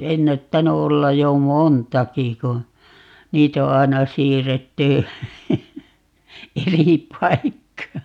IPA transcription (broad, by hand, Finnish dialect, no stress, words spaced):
enːætːæny olːɑj jo montɑki ku niːt o ɑenɑ siːrːetːy eri pɑikːɑː